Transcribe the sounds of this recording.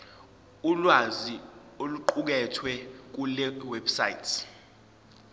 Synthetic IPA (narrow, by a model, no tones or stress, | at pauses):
ulwazi | oluǃuk̬ɛtʰwɛk̬ulɛwɛbsajitʰ